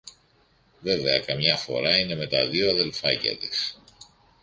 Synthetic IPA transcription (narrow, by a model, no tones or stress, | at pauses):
ve̞ve̞ɐkɐmɲɐfo̞̰ɾɐine̞me̞t̪ɐðioɐðe̞lfɐcɐ̰t̪is